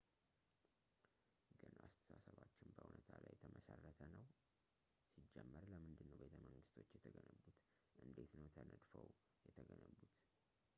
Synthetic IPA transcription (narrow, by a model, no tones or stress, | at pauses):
ɡɨnʔast̪ʰə̥sasəβat͡ʃːɪnbəʔunət̪ʰalajt̪ʰəməsərːət̪ʰənəw | sid͡ʒːɛmːəɾləmɨnd̪ɨnːəwbe̞t̪ʰəməŋɡɨst̪ʰo̞t͡ʃːjɛt̪ʰəɡənəβut̪ | ʔɨnd̪e̞t̪nəwt̪ʰənəd̪fəw | jɛt̪ʰəɡənəβːut̪